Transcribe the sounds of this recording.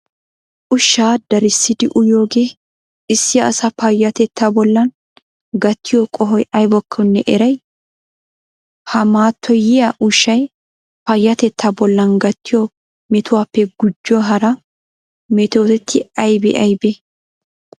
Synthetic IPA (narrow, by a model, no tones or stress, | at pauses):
ʔʊʃːaːd̪ɐɾɪsːɪd̪ɪʔʊjoːɡe̞ː | ʔɪsːɪɐːsɐpɐjːɐt̪ɛt̪ʰːabɔlːɐn | ɡɐt̪ʰːɪjɔkʼɔɦɔjɐjbɔkʰːɔnːɛʔɛɾɐj | hɐmaːt̪ʰːɔjɪjɐʔʊʃːɐj | pɐjːɐt̪ɛt̪ʰːabɔlːɐnɡɐt̪ːɪjɔ | mɛt̪ʊwaːpːɛɡʊd͡ʒːɔɦɐɾɐ | mɛt̪oːt̪ɛt̪ʰːɪɐjbɛ̰ʔɐjbe